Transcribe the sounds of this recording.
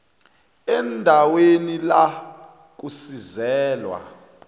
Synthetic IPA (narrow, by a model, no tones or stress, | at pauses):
ɛndʱawenila | k̬usizɛːlwa̰